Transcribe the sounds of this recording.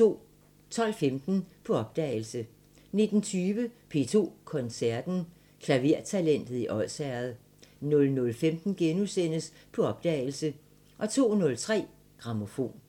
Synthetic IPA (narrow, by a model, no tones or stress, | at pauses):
o̝̰ | t͡sʰɒ̽l̰femd̥n̩pʰɒ̽ɒ̽b̥̚d̥ɛ̰ːɪl̩sə | ne̝d̥n̩t͡sʰyːʋəpʰe̝̰t͡sʰo̝̰ːkʰɒ̽nsæɐd̥n̩ | kʰlæʋe̝ɐ̰t͡sʰælen̰d̥ð̞̩ˠiʔɒ̽ð̰sæɐð̩ˠ | nɔ̽lnɔ̽lfemd̥n̩ɡ̥enusen̰əs | pʰɒ̽ɒ̽b̥̚d̥ɛ̰ːɪl̩sə | ʔɒ̽t͡sʰo̝̰ːnɔ̽lt͡sʰʁɛ̰ː | ɡ̥ʁɑ̈mo̝fo̝̰ːn